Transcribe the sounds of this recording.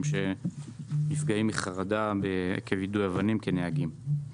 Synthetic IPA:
mʃe̞ | nifɡaimiχaʁadabekʰevid̪ujavanimkeneaɡim

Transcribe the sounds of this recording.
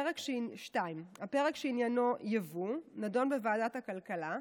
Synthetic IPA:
ʁekʃʃtaimapeʁekʃeinjano̞javunado̞nbevaːdathakalkala

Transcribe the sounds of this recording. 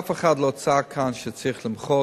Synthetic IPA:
fəχadlˠot͡sakʰanʃət͡siχlˠɪmχɔ

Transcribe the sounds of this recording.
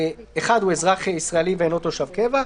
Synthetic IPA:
eχad̪huezʁaχeisʁaeliveenot̪oʃavkeva

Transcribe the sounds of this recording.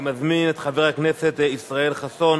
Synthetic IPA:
mazminɛtχavɛʁaknɛsɛtisʁaɛlχasɔn

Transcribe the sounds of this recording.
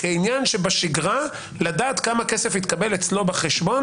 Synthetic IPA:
keinjanʃebaʃiɡʁa | lad̪aːt̪kamakesefit̪kabe̞let͡slo̞baχeʃbon

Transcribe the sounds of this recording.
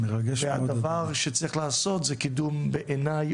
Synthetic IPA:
mɛʁaɡɛʃeadavaʁʃɛt͡sɾiχlaːsɔt̪zɛkidumbɛʔenaj

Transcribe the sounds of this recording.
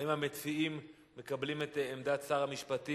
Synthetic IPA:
imhamet͡siimː | e̞kablimetemdasaʁamiʃpati

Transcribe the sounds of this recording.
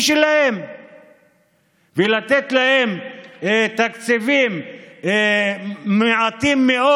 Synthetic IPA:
ʃelahe̞m | velat̪et̪lahe̞m | t̪akt͡sivim | meʕat̪imːeʔo

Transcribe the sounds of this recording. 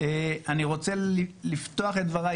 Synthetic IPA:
eaniʁo̞t͡seilift̪o̞aχet̪̚dvaʁa

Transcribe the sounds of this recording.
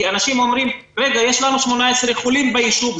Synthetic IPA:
anaʃimo̞mʁim | ʁeɡaje̞ʃlanuʃmo̞naeseχulimbeiʃuv

